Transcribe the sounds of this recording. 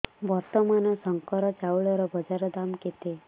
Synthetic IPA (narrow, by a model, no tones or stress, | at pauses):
ʋɔɾt̪ɔmanɔsɔŋkɔɾɔt͡ʃawɭɔɾɔbɔd͡ʒaɾɔd̪amket̪e